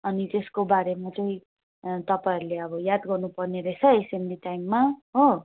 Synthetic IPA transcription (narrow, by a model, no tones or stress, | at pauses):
ʌnit̪eskobaɾemat͡sʌĩ | t̪ʌpaiɾuleʌbʌjad̪ɡʌrnupʌrneɾʌjt͡sʰʌesemdiʈajmːaɦo